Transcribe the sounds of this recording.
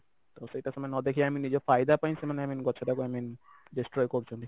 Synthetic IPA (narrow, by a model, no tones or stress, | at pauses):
t̪osejʈaʃɔmajnɔd̪ekʰiaminid͡ʑefajd̪apajnsemaneaminɡɔt͡ɕʰeɾakoamind͡ʑesʈɾɔjkoɾt͡ɕʰond̪i